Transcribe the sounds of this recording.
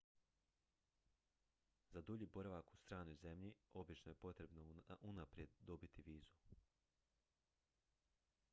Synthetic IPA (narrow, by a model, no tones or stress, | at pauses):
zad̪uʎiːbo̞ɾaʋakust̪ɾaːno̞jze̞mʎio̞bit͡ʃnoje̞po̞t̪ɾe̞bnoʔunapɾje̞d̪ːo̞bit̪iʋiːzu